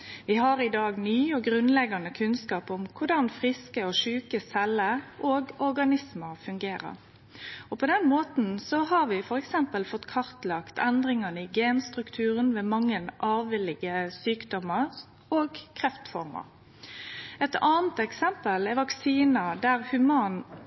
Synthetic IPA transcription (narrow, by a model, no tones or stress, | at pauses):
ʋɪɦɑɾɪd̪ɑːɡnyːɔɡɾʉnlɛɡɑnəkʰʉnskɑːpɔmkʰʊɖɑnfʁɪskəɔʂʉːkəsɛlːəʔoːɡɔɾɡɑnɪsməfʉŋɡeːɾə̰ɾ | ɔpʰɔd̪ɛnmoːt̪n̩sɔhɑɾʋɪfɔɾɛksɛmpəlfɔt̪ːkʰɑɾt̪lɑkt̪ʰɛnd̪ɾɪŋɑnəɪɡeːnst̪ʁʉkt̪ʰʉːʁənʋeːmɑŋːənʔɑːʋʋɪlːɪɡəsyːkd̪ɔmə | oːɡkʰʁɛft̪fɔ̰ɾmə̰ɾ | ɛt̪ɑːnt̪ɛksɛmpəlɛʋɑksiːnəd̪æʁhʉmɑːn